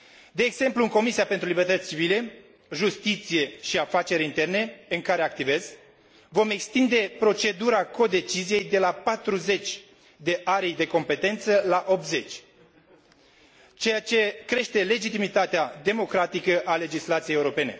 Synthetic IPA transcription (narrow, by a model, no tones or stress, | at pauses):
d̪e̞ːɡz̥e̞mpluɨŋko̞misiape̞nt̪ɾulibe̞rt̪ət̪sʲt͡ʃivile̞ | ʒust̪it̪sije̞ʃiafat͡ʃe̞ɾint̪e̞rne̞ɨŋkaɾeak̚t̪ive̞z | vo̞me̞kst̪ind̪e̞pɾo̞t͡ʃe̞d̪uɾako̞d̪e̞t͡ʃizije̞jd̪e̞lapat̪ɾuze̞t͡ʃʲ | d̪e̞ʔaɾijd̪e̞ko̞mpe̞t̪e̞nt̪səlaʔo̞p̚t̪ze̞t͡ʃʲ | t͡ʃe̞jat͡ʃe̞kɾe̞ʃt̪e̞le̞d͡ʒit̪imit̪at̪ead̪e̞mo̞kɾat̪ikəʔale̞d͡ʒislat̪sijejeuɾo̞pe̞ne̞̰